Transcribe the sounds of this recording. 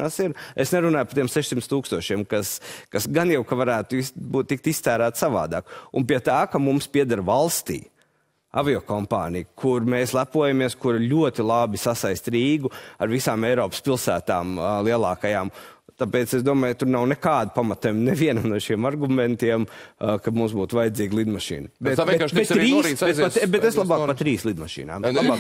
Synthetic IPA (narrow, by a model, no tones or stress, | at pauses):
asiɾesnɛɾunaːjpḁt̪iɛmsɛʃsimt̪st̪uːkst̪uɔʃiɛmkaskasɡanjawkaʋaɾæːt̪uisbuːt̪̚ːik̚t̪ist̪æːɾæːt̪ssaʋa̰ːd̪a̰ːkṵnpiɛt̪aːkamumspiɛd̪aɾvalˠst̪ḭː | a̰viɔkɔmpa̰ːnijkʰuɾmeːslˠæpuɔjamiɛskuɾalʲuɔt̪ilˠabisasajst̪ɾiːɡuaɾvisaːmejɾɔːpspilˠsæːt̪aːmlˠiɛlˠaːkajaːmt̪apɛːt̪sesd̪uɔmaːjt̪uɾnawnɛkaːd̪upamat̪ɛmnɛviɛnamnuɔʃiɛmaɾɡumɛ̃nt̪iɛmkamuːsbuːt̪ʊʋvajɪd̪ziːɡlˠid̪maʃḭːnbɛt̪kːʃbet̪ːɾiːsɾibepabɛt̪eslˠabaːkpat̪ɾiːslˠid̪maʃḭːna̰ːmb̪labaː